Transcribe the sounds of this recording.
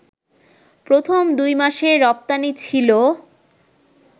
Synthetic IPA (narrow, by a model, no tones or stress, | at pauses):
pɾot̪ʰomd̪ujmaʃeɾɔp̚t̪anit͡ɕʰilo